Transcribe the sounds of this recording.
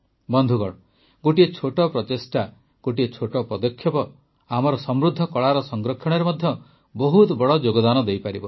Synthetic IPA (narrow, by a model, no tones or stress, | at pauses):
bɔnd̪ʱuɡɔɭɔ | ɡoʈiet͡ʃʰoʈɔpɾɔt̪esʈa | ɡ̥oʈiet͡ʃʰoʈɔpɾɔd̪ɔkʰːjɔpɔ | amɔɾɔsɔmɾud̪ʱːɔkɔɭaɾɔsɔŋɡɾɔkʰːjɔɽ̃ɔɾemɔd̪ʱjɔ | bɔɦut̪bɔɽɔd͡ʒoɡɔd̪anɔd̪ejpaɾibɔ